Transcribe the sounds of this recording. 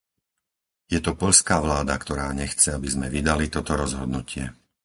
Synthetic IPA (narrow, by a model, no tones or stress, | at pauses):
jɛt̪ɔpɔʎskaːʋlaːd̪akt̪ɔɾaːɲɛxt͡sɛabizmɛʋid̪alit̪ɔt̪ɔɾɔzɦɔd̪nucɪɛ